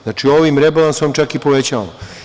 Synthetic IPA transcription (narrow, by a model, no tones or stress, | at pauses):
znat͡ʃioʋimɾebalansomt͡ʃakipo̞ʋet͡ɕa̰lo